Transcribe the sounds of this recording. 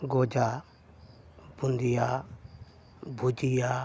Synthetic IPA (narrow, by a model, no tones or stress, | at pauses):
ɡod͡ʒa | bund̪ijaː | bʱud͡ʒijaː